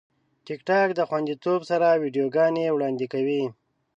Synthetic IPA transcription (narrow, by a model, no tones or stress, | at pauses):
ʈɪkʈɑkd̪əxwand̪it̪obsaɾawiɖijoɡɑnewɽɑnd̪ikawi